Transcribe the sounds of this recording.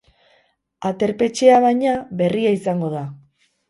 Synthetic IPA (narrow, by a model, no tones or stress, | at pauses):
at̪e̞ɾpe̞t͡ʃe̞aβajɲaβe̞riaisaŋɡo̞ða